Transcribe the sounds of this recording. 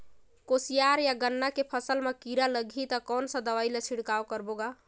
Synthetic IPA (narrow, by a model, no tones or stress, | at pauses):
kosijaɾjaɡənːakepʰəsəlmekiɾaləɡʱit̪əkɔnsə̃d̪əʋajlet͡ʃʰiɽkawkəɾboɡa